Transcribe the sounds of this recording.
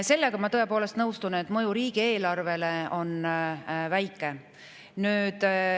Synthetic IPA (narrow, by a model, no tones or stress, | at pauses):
se̞lːeɡ̥ɑmɑt̪ɤe̞poːle̞st̪nɤwst̪unet̪ːˑmɤjuɾiːɡ̥ie̞ːlɑrve̞le̞o̞n | væjkːˑe̞ | nyːd̪̥